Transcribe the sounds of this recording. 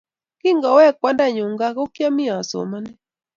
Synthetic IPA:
ki˦ŋɡɔ˨wɛ˦˨kwa˨˦nda˦ɲu˨ŋɡa˦ɣo˦kja˦mi˦a˨so̰˨ma˦nɛ˦

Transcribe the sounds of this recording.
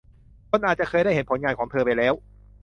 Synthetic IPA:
kʰo˧nʔaː˨˩t̪̚t͡ɕa˨˩kʰɤː˧jɾa˥˩he˩˦npʰo˩˦nŋaː˧nkʰɔː˩˦ŋt̪ʰɤː˧pa˧jlɛː˦˥w

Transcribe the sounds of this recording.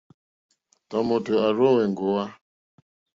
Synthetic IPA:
tɔ˨mo˨tə˨a˨ɾo˦we˨ŋ˨ɡo˨wa˦

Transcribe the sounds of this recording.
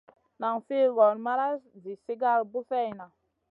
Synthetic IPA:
na˨ŋfe˦ɣɔ˨nma˦ɾa˦szi˨si˦ɡa˦˨lbu˦fɛ˦˨jna˨

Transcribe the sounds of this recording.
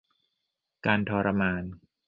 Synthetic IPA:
kaː˧nt̪ʰɔː˧ɾa˧maː˧n

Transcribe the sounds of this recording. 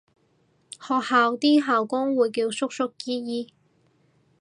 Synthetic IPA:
hɔː˨k̚haː˨wt̪iː˥ɦaː˨wkʊ˥ŋwuː˨jkiː˧wsʊ˥k̚sʊ˥kːiː˥jiː˥

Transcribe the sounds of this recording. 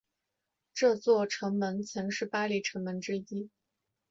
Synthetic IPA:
ʈ͡ʂɤ˥˧t͡swɔ˥˩ʈ͡ʂʰɤ˧˥ŋmə˧˥nt͡sʰɤ˧˥ŋʂɻ̩˥˩pa˥li˧˩ʈ͡ʂʰɤ˧˥ŋmə˧˥nʈ͡ʂɻ̩˥i˥

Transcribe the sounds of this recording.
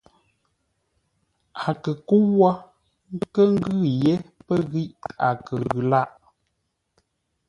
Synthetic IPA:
a˨kə˨ku˦wwa˦ | kə˦ŋ̩˦ɡʉ˦˨je˦pə˦ɣi˦ʔa˨kə˨ɣʉ˨la˦˨ʔ

